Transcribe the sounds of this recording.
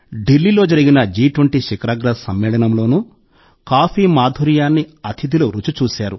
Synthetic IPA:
ɖilːiːlo̞ːd͡ʒɐɾiɡinɐd͡ʒiːʈwɐɳʈiʃikɾaːɡɾɐsɐmːɛːlɐnɐmlo̞ːnuː | kaːpiːmaːd̪ʱuɾijaːnːiɐt̪ʰid̪iluɾut͡ʃut͡ʃuːsaːɾu

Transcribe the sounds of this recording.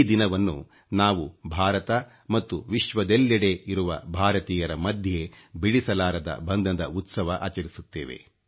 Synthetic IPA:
d̪inɐʋɐnːṵ | naːʋubʱaːɾɐt̪ɐ | mɐt̪ːuʋiʃʋɐd̪elːɐɽe̞iɾuʋɐ̰bʱaːɾɐt̪iːjɐɾɐmɐd̪ʱje̞biɽisɐlaːɾɐd̪ɐ̰bɐnd̪ʱɐd̪ɐ̰ut̪sɐʋɐʔa̰ːt͡ʃɐɾisut̪ːeːʋḛ

